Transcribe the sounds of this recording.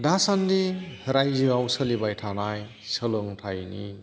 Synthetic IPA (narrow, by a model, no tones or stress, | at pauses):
dasandihɾajzɯawsəlibajtʰanaj | səlɯŋtʰajnḭ